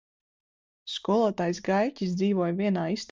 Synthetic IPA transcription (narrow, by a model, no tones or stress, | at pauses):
skuɔlˠuɔːt̪ajsɡajcʲisd̪ziːvuɔjvʲiɛnaːist̪